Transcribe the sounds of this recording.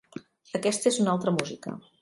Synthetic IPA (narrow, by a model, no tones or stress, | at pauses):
əkɛst̪əezunalˠt̪ɾəmuzikə̰